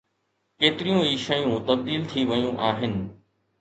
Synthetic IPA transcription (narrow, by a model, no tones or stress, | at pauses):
keːt̪ɪɾijũiːʃɐjũt̪ɐb̚d̪iːlt̪ʰiʋɐjũʔaːɦɪnɪ̆